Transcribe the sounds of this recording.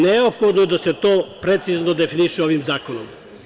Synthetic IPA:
neopxod̪nod̪aset̪oːpɾe̞t̪siznod̪e̞finiʃeoʋimzaːkono̰m

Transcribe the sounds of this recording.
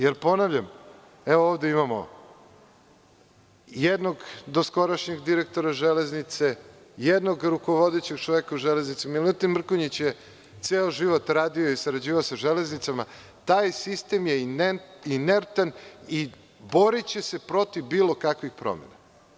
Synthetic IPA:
jeɾpo̞naʋʎam | eʋooʋd̪e̞imamo̰ | jed̪no̞ɡd̪o̞sko̞ɾaʃɲeɡd̪iɾek̚t̪o̞ɾaʒele̞znit̪se̞ | jed̪noɡɾuko̞ʋod̪et͡ɕeɡ̚t͡ʃoʋekauʒele̞znit̪simelut̪immr̩koɲit͡ɕje | t̪seːoʒiʋo̞t̪ɾaːd̪ioisaɾad͡ʑiːʋaosaʒeleznit̪sama | t̪aːjsist̪e̞mjenineɾt̪ani | bo̞ɾit͡ɕe̞se̞pɾo̞t̪ivbiːlˠo̞kakʋixpɾo̞̰mḛna̰

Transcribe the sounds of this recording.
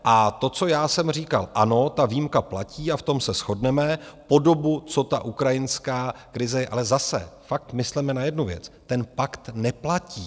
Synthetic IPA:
ʔat̪o̞t͡so̞jaːsɛmr̝iːkalʔano̞t̪aviːmkaplaciːaft̪o̞msɛsxo̞dnɛmɛpo̞do̞but͡so̞t̪aʔukɾajɪnskaːkɾɪzɛjɛʔa̰lɛzasɛ̰fak̚t̪mɪslɛmɛnajɛdnuvjɛ̰t͡st̪ɛnpakt̪nɛplaciː

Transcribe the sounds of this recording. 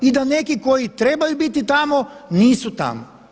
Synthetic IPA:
id̪ane̞kiko̞jit̪ɾebajubit̪it̪amoniːsut̪a̰mo

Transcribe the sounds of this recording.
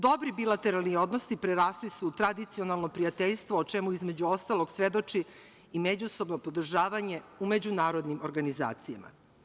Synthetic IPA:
d̪o̞bɾibilˠat̪eɾalˠnio̞d̪nosipɾeɾaːslisut̪ɾad̪it̪sionalˠnopɾiat̪eʎst̪ʋoːt͡ʃemuizmed͡ʑuo̞st̪alˠo̞ɡsʋe̞d̪o̞t͡ʂi | ime̞d͡ʑuso̞bno̞pod̪r̩ʒaːʋaɲe̞ume̞d͡ʑunaːɾo̞d̪nimoɾɡaniza̰ːt̪sija̰ma̰

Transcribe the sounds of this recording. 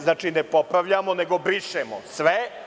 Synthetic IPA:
znaːt͡ʃinepopɾaʋʎamoneɡobɾiʃemo̰sʋe

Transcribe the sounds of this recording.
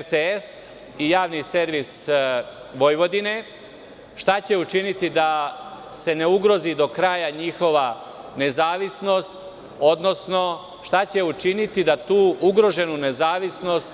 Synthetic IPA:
eɾt̪ees | ijaːʋnise̞ɾʋis | ʋo̞jʋo̞d̪ine̞ | ʃt̪at͡ɕe̞ut͡ʃinit̪id̪ase̞ne̞uɡɾo̞zid̪o̞kɾaːjaɲixo̞ʋa | ne̞zaːʋisno̞st̪ | o̞d̪no̞sno̞ | ʃt̪at͡ɕe̞ut͡ʃinit̪id̪at̪uːuɡɾo̞ʒe̞nune̞zaːʋisno̞st̪

